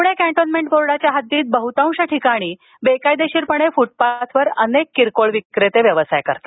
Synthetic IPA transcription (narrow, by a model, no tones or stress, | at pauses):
ɳ̃ekæ̃ɳʈonmeɳʈboɾɽat͡ɕjaɦat̪ːiːt̪̚bəɦut̪ãw̃ɕaʈʰikaɽ̃iː | bekajd̪eɕiːɾpəɳ̃efuʈ̚pat̪ʰʋəɾənekːiɾkoɭʋikɾet̪eʋjəʋəsa̰jkə̰ɾt̪ḁ